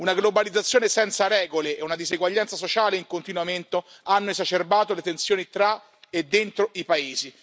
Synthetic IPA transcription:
unaɡlobalid̪zat̪sːjoːnesɛnt̪saɾɛːɡoleːunad̪izeɡwaʎːant̪sasot͡ʃaːleiŋkont̪inwament̪o | anːoezat͡ʃerbaːt̪olet̪ensjoːnit̪ɾa | ed̪ːent̪ɾoʔipaeːzi

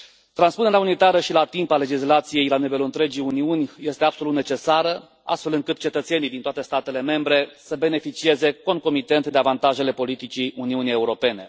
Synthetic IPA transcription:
t̪ɾanspuneɾaunit̪aɾəʃilat̪impale̞d͡ʒislat̪sije̞jlanive̞luɨnt̪ɾe̞d͡ʒijuniunʲje̞st̪eab̥so̞lut̪net͡ʃe̞saɾə | a̰st̪fe̞lɨŋkɨt̪̚t͡ʃe̞t̪ət̪se̞nijd̪int̪oat̪e̞st̪at̪e̞le̞me̞mbɾe̞səbe̞ne̞fit͡ʃie̞ze̞ko̞ŋko̞mit̪e̞nt̪d̪eavant̪aʒe̞le̞po̞lit̪it͡ʃiuniunije̞uɾo̞pe̞ne̞

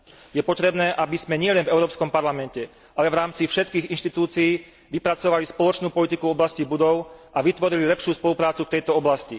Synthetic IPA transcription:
jɛpɔt̪ɾɛbnɛːʔabizmɛɲɪɛlɛnvɛʊɾɔːpskɔmpaɾlamɛncɛ | ʔalɛvɾaːmt͡sifʃɛt̪kiːɣinʃt̪it̪uːt͡siiː | ʋipɾat͡sɔʋalispɔlɔt͡ʃnuːpɔlit̪ikuvɔblascibud̪ɔʊʔaʋit̪ʋɔɾililɛpʃɪuːspɔlupɾaːt͡suft̪ɛjt̪ɔɔblasci

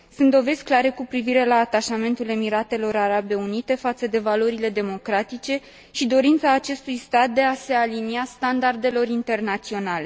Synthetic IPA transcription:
sunt̪d̪o̞ve̞zʲklaɾe̞kupɾiviɾe̞laːt̪aʃame̞nt̪ule̞miɾat̪e̞lo̞ɾaɾabe̞unit̪e̞fat̪səd̪e̞valo̞ɾile̞d̪e̞mo̞kɾat̪it͡ʃe̞ | ʃid̪o̞ɾint̪saːt͡ʃe̞st̪ujst̪at̪̚d̪e̞ase̞aliniast̪and̪ard̪e̞lo̞ɾint̪e̞rnat̪sio̞nale̞

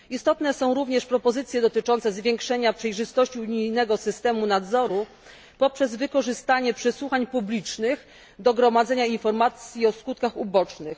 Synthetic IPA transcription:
ist̪ɔt̪nɛsɔ̃w̃ɾuvɲɛʂpɾɔpɔzɘt̪sʲjɛd̪ɔt̪ɘt͡ʂɔnt̪sɛzvʲjeŋkʂɛɲapʂɛjʐɘst̪ɔɕt͡ɕiuɲijnɛɡɔsɘst̪ɛmunad̪zɔɾu | pɔpʂɛzvɘkɔʐɘst̪aɲɛpʂɛswuxaɲpublʲit͡ʂnɘx | d̪ɔɡɾɔmad̪zɛɲainfɔɾmat̪sʲjiɔskut̪̚kaxubɔt͡ʂnɘx

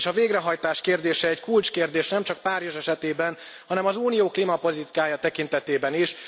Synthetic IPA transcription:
ʃɒveːɡrɛɦɒjt̪aːʃkeːrd̪eːʃɛɛckult͡ʃkeːrd̪eːʃnɛmt͡ʃɒk̚paːrjoʒɛʃɛt̪eːbɛn | hɒnɛmɒzuːnijoːklimɒpo̞lit̪i̥kaːjɒt̪ɛkint̪ɛt̪eːbɛniʃ

